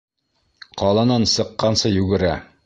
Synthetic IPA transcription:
qɑlˠɤ̆nɑnsɤ̆qːɑnsɤjʉɡɘ̆ɾæ

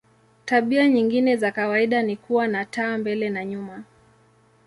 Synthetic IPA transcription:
taɓiaɲiŋɡinɛzakawaiɗanikuwanataːmbɛlɛnaɲuma

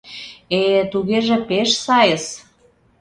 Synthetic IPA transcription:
et̪uɣeʒĕpeʃsɑjə̆s

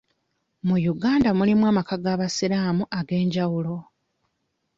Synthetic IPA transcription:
mujuɡaːndamulimwaːmakaɡaːβasiɾaːmuʔaɡe̞ːɲɟawulo̞

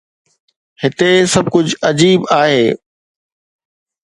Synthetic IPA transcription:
hɪt̪esɐb̚ʱkʊd͡ʑɐd͡ʑiːbaːɦeː

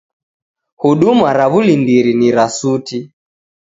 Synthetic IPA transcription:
huɗumaɾaβulindiɾiniɾasuti

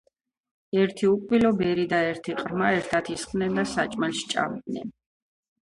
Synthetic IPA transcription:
ɛɾt̪ʰiukʼwilɔbɛɾid̪aɛɾt̪ʰiqʼɾmaɛɾt̪ʰat̪ʰisχnɛnd̪asat͡ʃʼmalʃt͡ʃʼa̰md̪nɛ̰n

